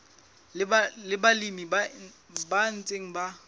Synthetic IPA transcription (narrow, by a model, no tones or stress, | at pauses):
lɪbalimiba | ban̩t͡sʼeŋ̩ba